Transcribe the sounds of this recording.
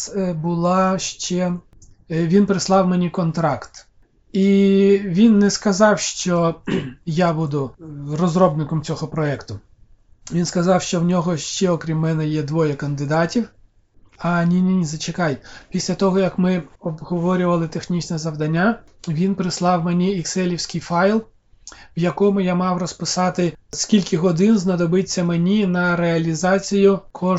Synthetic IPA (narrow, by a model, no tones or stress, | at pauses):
bʊlˠɑʃt͡ʃɛ | ʋʲinpɾɪslˠɑwmɛnʲikɔnt̪ɾɑkt̪ | iʋʲinːɛskɐzɑwʃt͡ʃɔ | jabud̪ʊrɔzrɔbnɪkɔmt͡sʲɔɦɔpɾɔɛkt̪ʊ | ʋʲinskɐzɑwʃt͡ʃɔwnʲɔɦɔʃt͡ʃɛɔkɾʲimːɛnɛjɛd̪ʋɔjɐkɐnd̪ɪd̪ɑtʲiw | ɐnʲinʲinʲizɐt͡ʃekɑjpʲisʲlʲɐt̪ɔɦɔjɐkmɪɔbɦɔʋɔɾʲʊʋɐlˠɪt̪exnʲit͡ʃnɛzɐwd̪ɐnʲːaʋʲinpɾɪslˠɑwmɛnʲiːksɛlʲiwsʲkʲɪjfɑjlˠ | wjɐkɔmʊjamɑwrɔspɪsɑt̪ɪskʲilʲkʲɪɦɔd̪ɪnznɐd̪ɔbɪt͡sʲːɐmenʲinɐɾeɐlʲizɑt͡sʲijʊkʰɔ